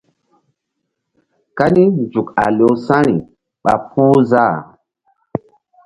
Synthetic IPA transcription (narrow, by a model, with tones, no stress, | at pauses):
ka˦ni˦nd͡ʒu˨ka̰˨lo˨wsã˦ɾi˨ | ɓa̰˨puː˦za˦˨